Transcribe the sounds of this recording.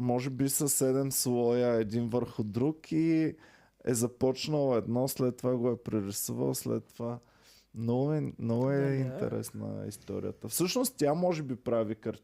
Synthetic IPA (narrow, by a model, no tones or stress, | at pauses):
mɔʒɛbisəsɛd̪ɛmslˠɔjəɛd̪invəɾxʊd̪ɾuki | ɛ̰zɐpɔt͡ʃnəlˠoɛd̪nɔslɛt̪ːovaɡoɛpɾɛɾɪsuvə̰lˠslɛ̰t̪ːova | mnɔɡʊɛmnɔɡʊɛint̪ɛ̰ɾɛ̰snə̰ḭst̪ɔ̰ɾḭjə̰t̪əfsɤʃnost̪t̪ʲamɔʒɛbipɾavikəɾ